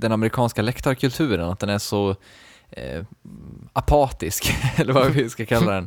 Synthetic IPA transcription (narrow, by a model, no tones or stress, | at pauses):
d̪ɛnamɛɾɪkʰɑːnskalɛkt̪aɾkʰɵlt̪ʰʉ̟ːɾənat̪̚d̪ɛnæʂɔ | ʔapʰɑːt̪ɪskɛlːəɾvaɪskakʰalːad̪ɛn